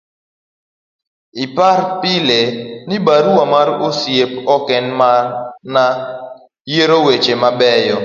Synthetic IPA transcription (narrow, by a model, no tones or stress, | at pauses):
ɪpaɾpɪlenɪbaɾuwamaɾosjepɔkɛnmarna | jeɾowet͡ʃemabɛjɔ